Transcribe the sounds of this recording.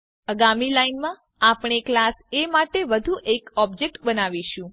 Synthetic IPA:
əɡamilainmã | apɳ̃eklasemaʈeʋəd̪ʱuʔekɔb̚d͡ʒek̚ʈbənaʋiʃũ

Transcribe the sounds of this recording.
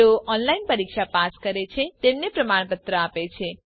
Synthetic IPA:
oʔɔnlainpəɾikʃʰapaskəɾet͡ʃʰet̪emnepɾəmaɳ̃pət̪ɾəapet͡ʃʰe

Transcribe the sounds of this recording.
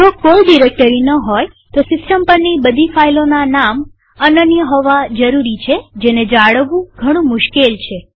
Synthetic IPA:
d͡ʒokolɖiɾek̚ʈəɾinəɦoj | t̪osɪsʈəmpəɾnibəd̪ʱifailonanam | ənənjəɦɔʋad͡ʒəɾuɾit͡ʃʰed͡ʒened͡ʒaɽəʋũɡʱəɽ̃ũmʊʃkelt͡ʃʰe

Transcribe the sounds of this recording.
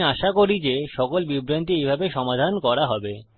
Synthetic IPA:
aʃakoɾid͡ʑeʃɔkolbibɾant̪iejbʱabeʃɔmad̪ʱankɔɾaɦɔbe

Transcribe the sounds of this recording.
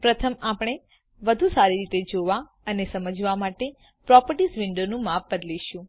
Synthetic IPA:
pɾət̪ʰəmapɽ̃e | ʋəd̪ʱũsaɾiɾit̪ed͡ʒoʋa | ənesəməd͡ʒʱʋamaʈe | pɾɔpəɾʈisʋɪɳɖonũmap̚bəd̪liʃũ

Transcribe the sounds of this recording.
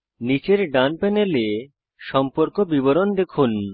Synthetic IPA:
nit͡ɕeɾɖanpɛnele | ʃʃɔmpoɾkobiboɾond̪ekʰun

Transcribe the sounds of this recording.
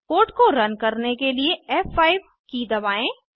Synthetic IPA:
koːʈkoɾɐnkɐɾnekelieɛːfaːɪʋ | kid̪ɐbaːẽː

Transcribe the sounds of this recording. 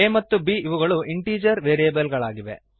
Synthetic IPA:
eːmɐt̪ːubiːiʋuɡɐɭuʔiɳʈiːd͡ʒɐɾʋeːɾijeːbɐlɡɐɭaːɡiʋḛ

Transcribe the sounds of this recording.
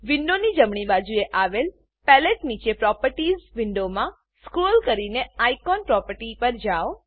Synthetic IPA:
ʋɪnːonid͡ʒəmɳ̃ibad͡ʒueʔaʋel | pɛleʈnit͡ʃepɾɔpəɾʈizʋɪɳɖomã | sskɾulkəɾineajkɔnpɾɔpəɾʈipəɾd͡ʒaʋ

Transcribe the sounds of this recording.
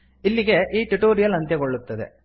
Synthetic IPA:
ilːiɡe̞ʔiːʈuʈoːɾijɐlɐnt̪jɐɡoɭːut̪ːɐd̪e̞̰

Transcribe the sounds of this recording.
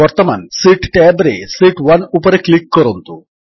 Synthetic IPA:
ɐɾt̪ɐmansiʈʈeːbɾesiʈʋɐnupɐɾeklikːɐɾont̪u

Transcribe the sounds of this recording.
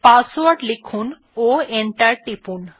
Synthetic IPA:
paswaɾɖlekʰun | oeɳʈaɾʈipun

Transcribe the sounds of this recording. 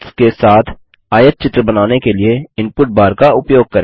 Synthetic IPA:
skesaːt̪ʰ | aːjət̪̚t͡ʃɪt̪ɾəbɐnaːnekelieɪ̃npʊʈ̚baːɾkaʊpjoːɡ̚kɐɾe

